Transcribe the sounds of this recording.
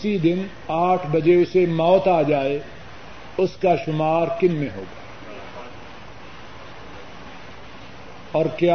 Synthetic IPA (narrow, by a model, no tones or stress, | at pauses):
sid̪ɪn | aːʈʰbɐd͡ʒeʊsemɔːt̪aːd͡ʒaːe | ʊskaʃʊmaːɾkɪnmẽɦo̰ːɡaː | ɔːɾkjaː